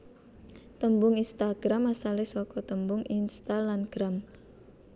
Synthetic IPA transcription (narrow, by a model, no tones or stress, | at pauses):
t̪əmbʊŋinst̪aɡ̥ɾamasalɪsɔkɔt̪əmbʊŋinst̪alanɡ̥ɾam